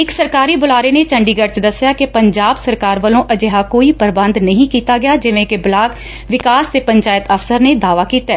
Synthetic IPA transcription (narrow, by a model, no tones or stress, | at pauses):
ɪksəɾkaːɾiːbʊlaːɾeːneːt͡ʃəɳɖiːɡəɾt͡ʃd̪əsːjaːkepəɲd͡ʒaːbsəɾkaːɾʋəlõːʔəd͡ʒeɦaːkoːiːpəɾbə̃nd̪nəɦĩːkiːt̪aːɡɪjaːd͡ʒɪʋẽːkɪblaːɡ | ʋɪkaːst̪eːpəɲt͡ʃaːjɪt̪əfsəɾneːd̪aːʋaːkiːt̪ɛː